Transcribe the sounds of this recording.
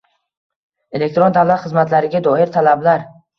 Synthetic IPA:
e̞lek̚t̪ɾond̪avlat̪χɨzmat̪laɾɪɡʲad̪ɒɪɾt̪ʰalablaɾ

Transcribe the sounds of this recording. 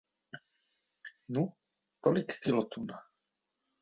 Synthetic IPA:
nu | t̪ɔlikkilɔt̪ʰuna

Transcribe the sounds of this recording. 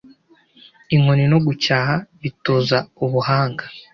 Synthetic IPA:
iŋonino̞ɡucaːhaβitoːzauβuhaːŋɡa

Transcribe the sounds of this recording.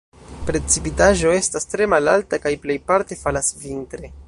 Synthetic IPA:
pɾe̞t͡sipitaʒo̞e̞stastɾe̞malaltakajple̞jpaɾte̞falasvintɾe̞

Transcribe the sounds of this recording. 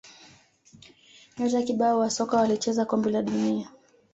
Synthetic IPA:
ɲɔtakiɓaɔwasɔkawalit͡ʃɛzakɔmbilaɗunia

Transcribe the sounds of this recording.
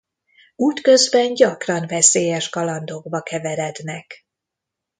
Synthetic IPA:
uːt̪kø̞zbɛnɟɒkrɒɱvɛseːjɛʃkɒlɒnd̪oːɡbɒkɛvɛɾɛd̪nɛk

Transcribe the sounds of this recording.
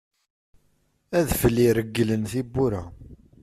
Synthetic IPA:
æðfəlːiɾəɡːələnθibːuɾæ

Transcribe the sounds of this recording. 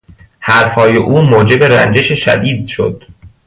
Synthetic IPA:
hæɾfhɒːjeʔuːmoːd͡ʒe̞be̞ɾæ̰nd͡ʒe̞ʃeʃæ̰d̪iːd̪ʃo̞̰d̪̥

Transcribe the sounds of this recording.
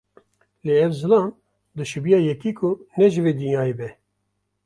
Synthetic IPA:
leːɛvzɨlɑːn | d̪ɨʃɨbijɑːjɛkiːkʰʊnɛʒɨveːd̪ɨnjɑːebɛ

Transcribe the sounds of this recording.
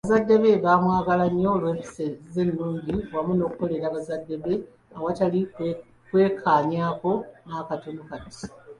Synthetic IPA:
aβazadːe̞βe̞βamwaːɡalaɲːo̞lwe̞ːfi̥sezenːuːɲɟiwamuno̞ːkuko̞le̞ɾaβazadːe̞βe̞ | awatalik | kwe̞ːkʰaːɲaːko̞naːkatonukati̥

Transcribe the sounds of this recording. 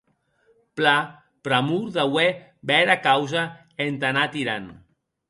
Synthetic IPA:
pla | pɾamuɾðawe | bɛɾakawza | ent̪anat̪iɾan

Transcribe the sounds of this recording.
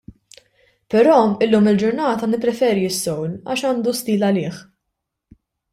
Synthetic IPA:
pɛɾɔːɪlːuːmɪld͡ʒʊɾnɐːt̪ɐnɪpːɾɛfɛːɾiɪsːɔwlɐ̰ːʃɐːnd̪ust̪iːlɐlɪːħ

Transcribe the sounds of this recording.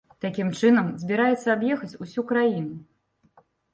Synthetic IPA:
t̪akʲimt͡ʂɨnɐmzʲbʲiɾajɛt̪sːɐabjɛxɐt͡sʲusʲukɾajinu

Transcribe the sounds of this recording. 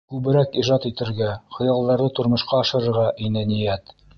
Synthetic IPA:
kʉβɘ̆ɾækiʒɑt̪it̪ɘ̆ɾɡæχŏjɑlˠd̪ɑɾðɤt̪ŏɾmɤ̆ʃqɑːʃɤ̆ɾɤ̆ɾʁɑʔinænijæt̪

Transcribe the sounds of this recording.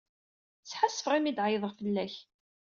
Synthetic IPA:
t͡sːħasːəfʁimid̪ʕjðˤəʁfəlːæç

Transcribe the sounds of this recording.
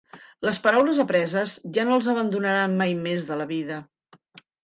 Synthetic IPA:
ləspəɾawləzəpɾɛzəzʒanolˠzəβ̞ənd̪unəɾanmajmezðələβiðə

